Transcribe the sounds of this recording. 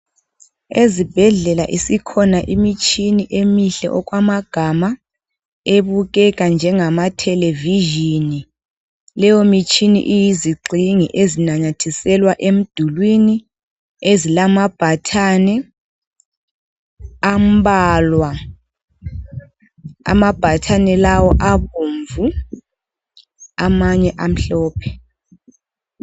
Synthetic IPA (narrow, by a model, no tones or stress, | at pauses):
ezib̥ʱɛɮɛla̰ʔisikʰɔnaʔimit͡ʃʼʰiniʔemiɬɛ̰ʔɔk̬ʼwamaɡ̥ʱama | eβuɣ̬ɛk̬ʼand͡ʒʱɛŋamatʰɛleviʒini | lɛjomit͡ʃʼinḭʔijiziɡ͡ǀʱiŋḭʔezinaɲatʰisɛlwaʔem̩d̥ʱulwini | ezilamab̥ʱatʰanɛ | am̩ɓalwa | a̰mab̥ʱatʰanɛlawɔʔaɓuːɱvu | amaɲɛʔam̩ɬɔːpʰɛ̥